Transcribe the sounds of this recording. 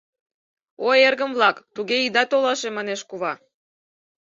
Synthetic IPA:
oerɣəmβlɑkt̪uɣeid̪ɑt̪olɑʃemɑneʃkuβɑ

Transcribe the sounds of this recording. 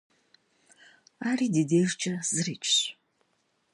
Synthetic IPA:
aːriːdedeːrt͡ʃʰʼɐz̥ɨriːt͡ʃʼʰɕʷ

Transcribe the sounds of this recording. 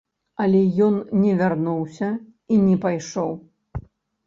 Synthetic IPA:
ɐlʲɛjɔnnʲɛvʲarnuwsʲɐ | inʲɛpajʂɔw

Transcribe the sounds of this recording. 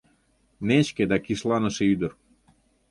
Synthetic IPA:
net͡ɕked̪ɑkiʃlˠɑnə̆ʃeyd̪ə̆r

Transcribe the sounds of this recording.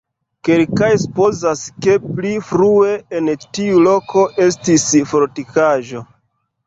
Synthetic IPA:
ke̞lkajsu̥po̞zaske̞plifɾue̞entiulo̞kʰo̞ʔe̞stisfoɾtikaʒo̞

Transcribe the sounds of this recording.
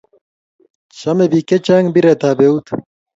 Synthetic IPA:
t͡ɕʰɐmebiket͡ʃɐŋɡbiɾet̪aːbeut̪ʰ

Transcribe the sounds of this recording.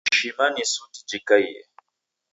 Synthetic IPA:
ʃimanisuti̥d͡ʒikajɛ̰

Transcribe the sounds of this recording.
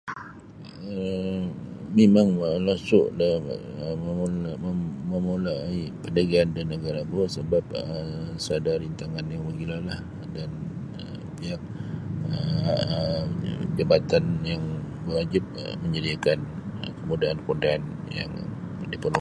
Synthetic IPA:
ə | memaŋəlasʊʔlaməməməmolaipəndaɡiandanːəɡaɾabosəbap̚əsəadaɾint̪aŋanjaŋwəɡilalah | dan | ə | biak̚ə | d͡ʒəbat̪anjaŋbərwad͡ʒɪp̚ə̰məɲədiakankəmudaankudaːn | ja̰ŋ | dipərnu

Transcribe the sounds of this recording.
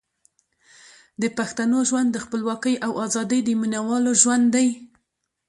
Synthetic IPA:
d̪əpaxt̪anoʒwand̪ːəxpəlwɑkəjʔawɑzɑd̪əjd̪əminawɑloʒwand̪d̪ːaj

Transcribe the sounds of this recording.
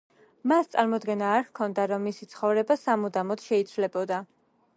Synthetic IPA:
mast̪sʼaɾmɔd̪ɡɛnaːɾkʰɔnd̪aɾɔmːisit̪sʰχɔvɾɛbasamud̪amɔd̪ʃɛit̪sʰvlɛbɔd̪a

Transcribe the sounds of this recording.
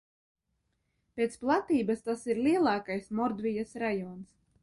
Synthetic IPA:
pʲet̪splˠat̪iːbast̪asiɾlʲiɛlˠɑːkajsmɔɾd̪vʲijasɾajɔːns

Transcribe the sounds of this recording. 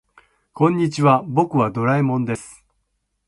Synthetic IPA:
kõ̞ɲ̟ːit͡ɕiβabo̞kɯ̟βad̪o̞ɾaimõ̞nd̪e̞sɨ̥

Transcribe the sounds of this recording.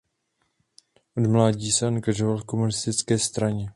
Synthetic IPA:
ʔodmlaːɟiːsɛaŋɡaʒovalko̞munɪst̪ɪt͡skɛːst̪ɾaɲɛ

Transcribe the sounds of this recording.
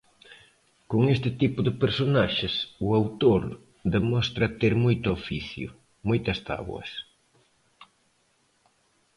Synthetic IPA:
koŋest̪ɪt̪ipʊðɪpeɾsonaʃɪsʊawt̪oɾ | d̪emɔst̪ɾɐt̪eɾmojt̪ʊofiθjʊ̰ | mojt̪ɐst̪a̰βw̰ɐ̰s

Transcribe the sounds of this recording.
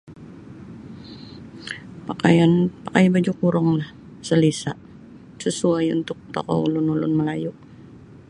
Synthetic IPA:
pakajanpakajabad͡ʒukuɾɔŋlah | səlisa̰ʔ | səsuajṵnt̪ʊk̚t̪ɔ̰kɔ̰ṵlʊnulʊ̰nməlajuʔ

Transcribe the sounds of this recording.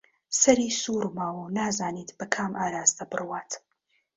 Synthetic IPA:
sɐɾiːsuːɾmaːwunaːzaːniːt̪ʰbɐkʰaːmʔaːɾaːzd̪ɐbɨrwaːt̪

